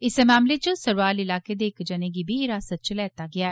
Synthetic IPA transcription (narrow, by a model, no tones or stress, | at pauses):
ɪsemaːmleːt͡ʃõsəɾʋaːlɪlaːkeːd̪eːɪkd͡ʒəneːɡiːbʱiːɾaːsət̪̚t͡ʃlɛːt̪aːɡɪaːɛː